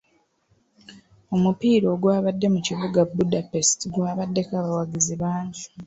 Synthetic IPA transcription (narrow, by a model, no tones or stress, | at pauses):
o̞mupiːɾo̞ːɡwaːβadːe̞muciβuɡabːudape̞stiɡwaːβadːe̞kaβawaɡiziβaːntu̥